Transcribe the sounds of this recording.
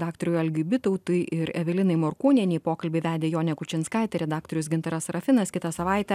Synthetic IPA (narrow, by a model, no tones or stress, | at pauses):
d̪ɑːk̚t̪oɾʲʊjɐlʲɡʲɪʊbʲɪt̪oʊt̪ʊɪʔɪɾɛʋʲɪlʲɪnɐɪmoːɾkuːnʲɛnʲɛɪpoːkɐlʲbʲɪʋʲæːd̪ʲeːjoːnʲɛkʊt͡ʃʲɪnskɑɪt̪ʲɛɾʲɛd̪ɑːk̚t̪oɾʲʊsɡʲɪnt̪ɐɾɐsɾɐfʲɪnɐskʲɪt̪ɐsɐʋɑˑɪt̪ʲɛ